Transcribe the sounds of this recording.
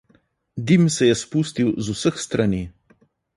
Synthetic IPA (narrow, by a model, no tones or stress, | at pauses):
d̪imsɛjɛspust̪iwzusəxst̪ɾani